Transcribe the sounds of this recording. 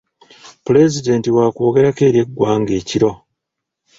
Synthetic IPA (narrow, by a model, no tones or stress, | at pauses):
pule̞zide̞ntiwaːko̞ːɡe̞ɾake̞ːɾje̞ɡːwaːŋɡe̞ːciɾo̞